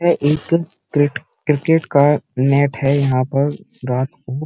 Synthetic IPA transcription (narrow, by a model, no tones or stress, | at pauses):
ɛʔeːk | kɪʈ | kɾɪkeːʈkanɛːʈɦɛjɐɦãpɐɾ | ɾaːt̪ʰoː